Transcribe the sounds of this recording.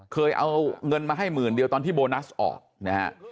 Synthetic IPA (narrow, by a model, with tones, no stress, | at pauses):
kʰɤː˧jʔa̰˧wŋɤ˧nmaː˧ɦa˥˩jmɯː˨˩ndi˧əwt̪ɔː˧t̪ʰiː˥˩boː˧na˦˥sʔɔ̰ː˨˩k̚na˦ha̰˦˥ʔ